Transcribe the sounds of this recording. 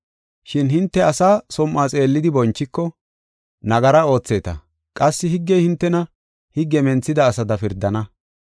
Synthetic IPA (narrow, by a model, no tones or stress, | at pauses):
ʃɪnɦɪnt̪ːɛɐsaːsɔmːaːt͡sʼe̞ːlːɪd̪ɪbɔnt͡ʃːɪkːɔ | nɐɡɐɾɐo̞ːt͡sːe̞ːt̪ɐ̰ | kʼɐsːɪhɪɡːɛjhɪnt̪ːɛnɐ | hɪɡːɛmɛnt͡sːɪd̪ɐːsɐd̪ɐfɪɾd̪ːɐnɐ